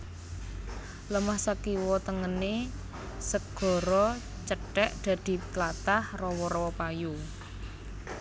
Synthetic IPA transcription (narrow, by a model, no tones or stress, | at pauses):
ləmahsakiwɔt̪əŋəne | səɡ̥ɔ̤ɾɔ | t͡ʃəʈɛʔd̪̥a̤d̪̥i̤plat̪ahrɔwɔɾɔwɔpaju